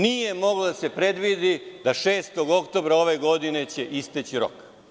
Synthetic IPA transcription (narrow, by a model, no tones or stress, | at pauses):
nije̞mo̞ɡlod̪ase̞pɾe̞d̪ʋid̪id̪aʃeːst̪o̞ɡo̞kt̪o̞ːbɾao̞ʋe̞ɡo̞d̪ine̞t͡ɕeʔist̪et͡ɕiɾo̰k